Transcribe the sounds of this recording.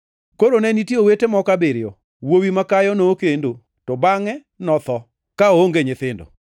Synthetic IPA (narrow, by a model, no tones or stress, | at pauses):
koɾonɛnitiowetemɔkabɪɾɪjɔ | wowimakajɔnoːkendo | tɔbaŋɛ | nɔt̪ɔ | kaooŋɡeɲɪt̪ɪndo̰